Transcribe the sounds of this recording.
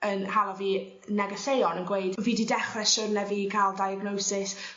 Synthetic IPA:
ənhalˠɔviː | nɛɡəθejɔnənɡwejdviːdidɛχrɛʃʊnɛviɡʰalˠdajaɡnowsɪs

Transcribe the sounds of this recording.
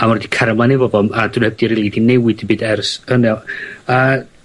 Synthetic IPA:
amɔrdikʰaɾmanivɔvɔmadunhɛb̚d̥iɾiːlˠidinɛwɪdibɨːdɛrsənɛa

